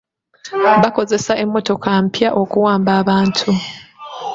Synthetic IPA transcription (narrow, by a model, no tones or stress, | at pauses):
βako̞ze̞saʔe̞mːo̞to̞kʰampjaʔo̞kuwaːmbaːβaːntʰu